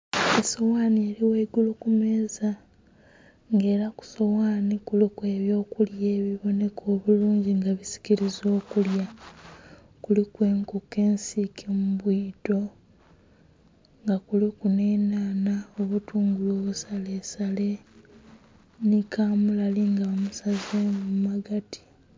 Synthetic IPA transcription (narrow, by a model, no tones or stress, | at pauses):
eso̞waːnieɾiweɡulukume̞ːza | ŋɡe̞ːɾaku̥so̞waːnikulikwe̞ːβjo̞ːkulje̞ːβiβo̞ne̞kʰo̞ːβuluːɲɟiŋɡaβisi̥ciɾizo̞ːkulja | kulikwe̞ːŋkuke̞ːnsikʰemuβwiːto̞ | ŋɡakulikune̞ːnaːnao̞βutuːŋɡulo̞ːβusale̞sale̞ | nikʰaːmulaliŋɡaomusazemmaɡatʰi̥